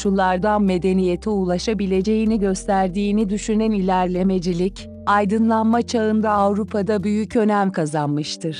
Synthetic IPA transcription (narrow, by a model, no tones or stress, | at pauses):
ʃulˠaɾd̪anme̞d̪e̞nije̞t̪ʰiulˠaʃabilʲe̞d͡ʒe̞jiniɟø̞st̪ʰæɾd̪iːnid̪yʃynænilʲæɾlʲe̞me̞d͡ʒilʲic | ajd̪ɯnlˠanmat͡ʃʰaɯnd̪aːvɾupʰad̪abyjycø̞næmkʰazanmɯʃt̪ʰɯɾ̥